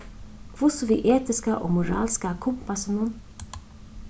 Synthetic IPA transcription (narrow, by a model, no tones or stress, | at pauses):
kʰvʊsɔviʔɛːt̪ɪskaʔɔ̰ɣmuɾa̰ːlskakʰʊmpasɪnʊn